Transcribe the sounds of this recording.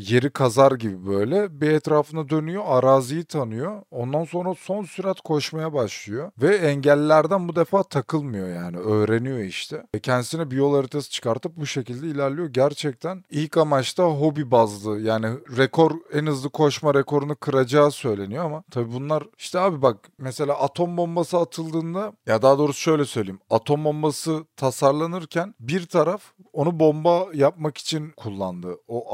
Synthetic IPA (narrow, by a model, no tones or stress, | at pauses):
je̞ɾikʰazaɾɟibibø̞jlʲɛbiɛt̪ɾaːfɯnad̪ø̞nyjo̞aɾaːzijɯt̪ʰanɯjoo̞nd̪anso̞nɾaso̞nsyɾat̪kʰo̞ʃmajabaʃlˠɯjo̞vɛɛɲɟælʲːæɾd̪ænbud̪efaːt̪ʰakʰɯlˠmɯjo̞jaːniø̞jɾenijo̞iʃt̪ʰɛcʰɛnd̪isinɛbijo̞lˠaɾɯt̪ʰɛst͡ʃʰɯ̥kaɾt̪ɯp̚buʃe̞cilʲd̪ɛilʲæɾlʲijo̞ɟæɾt͡ʃʰɛc̚t̪ʰænilʲcamat͡ʃt̪ʰaɦo̞bibazlˠɯjaːniɾɛkʰo̞ɾɛnɯzlˠɯkʰo̞ʃmaɾekʰo̞ɾunukʰɯɾad͡ʒaːsø̞jlʲe̞nijo̞amat̪ʰabibunlˠaɾiʃt̪ʰɛaːbibak̚ | mese̞lʲaːʔat̪ʰo̞mbo̞mbasɯat̪ʰɯlˠd̪ɯːnd̪ajad̪aːd̪o̞ːɾusu̥ʃø̞jlʲɛsø̞jlʲeimat̪ʰo̞mbo̞mbasɯt̪ʰasaɾlˠanɯɾcʰænbiɾt̪ʰaɾaf | o̞nubo̞mbajap̚maki̥t͡ʃʰinkʰulˠːa̰nd̪ɯoʔ